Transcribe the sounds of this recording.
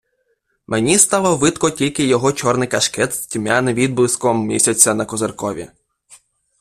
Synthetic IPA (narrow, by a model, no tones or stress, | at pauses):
mʔenʲist̪ɑlˠɔʋɪt̪kɔtʲilʲkɪjɔɦɔt͡ʃɔrnɪjkɐʃkɛt̪stʲmʲanɪʋʲid̪̚blˠɪskɔmːʲḭsʲɐt͡sʲːɐnɐkɔzerkɔʋʲḭ